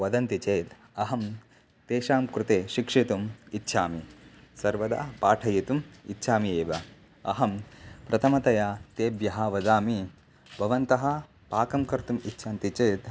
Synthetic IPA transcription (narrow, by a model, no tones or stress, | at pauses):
ʋɐd̪ɐnt̪it͡ʃeːt̪ | ɐɦɐm | t̪eːʃaːmkɾut̪eːʃikʂit̪umitːʃʰaːmisɐɾʋɐd̪a̰ːpaːʈʰɐjit̪umitːʃʰaːmieːʋɐ | ɐ̰ɦɐmpɾɐt̪ʰɐmɐt̪ɐjat̪eːbjɐɦɐʋɐd̪aːmi | bʱɐʋɐnt̪ɐɦɐ | paːkɐmkɐɾt̪umitːʃʰaːnt̪it͡ʃeːt̪